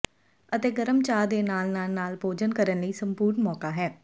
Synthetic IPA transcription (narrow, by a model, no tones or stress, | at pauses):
ət̪eːɡəɾəmt͡ʃaːd̪eːnaːlnaːlnaːlpoːd͡ʒənkəɾənləiːsəmpuːɾnmɔːkaːɦɛː